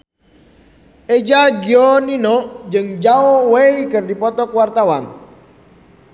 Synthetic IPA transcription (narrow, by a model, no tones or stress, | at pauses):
ed͡ʒaɡiɔninɔʔd͡ʒɨŋd͡ʒaoweikɨrdipɔt̪ɔkwart̪awan